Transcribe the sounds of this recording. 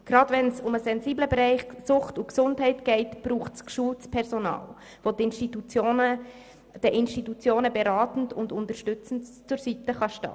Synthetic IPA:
ɡ̥ɾɑdvɛnsʊməsɛnziːbləbeɾɛɪχsʊχtuksʊndɦɛɪtɡ̥ɛɪtb̥ɾuːχtskʃultt͡spʰɛɾsonɑ̰ːl | vodɪnʃtitut͡sjonə | d̥əʔɪnʃtitut͡sjoːnəbeɾɑːtn̩tʊndʊntəɾʃtʏt͡sn̩tt͡sʊɾsitəχɑʃtɑ̰ː

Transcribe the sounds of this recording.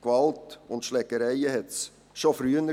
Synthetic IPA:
kvɑltʊntʃlɛkːəɾæɪəhɛt̪s | ʃofɾyːnə

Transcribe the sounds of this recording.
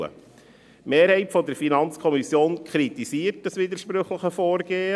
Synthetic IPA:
ə̰ | meːɾhɛɪtfɔd̪əɾfinɑnt͡skʰɔmisjoːnkʰɾit̪isiːəɾt̚əsʋid̪əɾʃpɾɵχləχəfɔːɾɡeː

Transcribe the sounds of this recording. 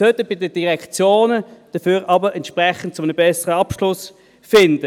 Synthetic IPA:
œt̪əbɪdəd̥iʁɛkt͡sjoːnəd̥əɐfyːʁɑbəʁɛntʃpʁɛχən̩t̚t͡sʊmənəbɛsəʁəɑpʃlʊs | fɪndə

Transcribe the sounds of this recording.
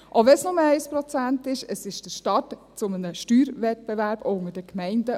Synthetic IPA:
ʔoʋɛsnʊməɛɪspɾɔt͡sæntɪʃəsɪʃd̥əɾʃtɑt | t͡sʊmənəʃtyːɾʋɛt̚b̥ɛʋæɾbʊŋəd̥əkmɛɪndə

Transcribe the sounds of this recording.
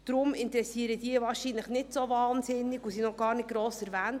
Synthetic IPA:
d̥ɾʊmɪnt̪ɾɛsiːəɾəd̥iːəvɑːɾʃinləχnɪtsovɑːnsɪnːɪɡusinɔχɡ̥ɑːɾnɪt̚ɡ̥ɾoːsɛɾvæːnt

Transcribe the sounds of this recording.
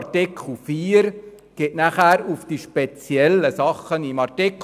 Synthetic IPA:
rtɪkʰl̩fiːɾ | ɡ̥etnæχæːɾufd̥iʃpet͡sjɛlːəsɑχənimɑɾtɪk

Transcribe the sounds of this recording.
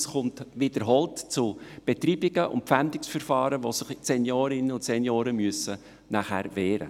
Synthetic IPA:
sχʊmtʋɪdəɾɦɔltt͡sʊb̥etɾiːbɪɡ̥əʔʊ̰nt̚pfæmd̪ɪksfəɾfɑːɾəʋosɪχt͡sɛnjoːɾɪnəʊ̃ntsɛnjoːɾəmyəsə | næχæːɾʋɛːɾə̰

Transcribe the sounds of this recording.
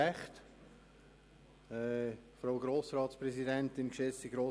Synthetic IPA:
ɛχt | ɛːfɾaʊɡɾoːsrɑːtspɾɛszidɛntɪnkʃɛsiɡɾoː

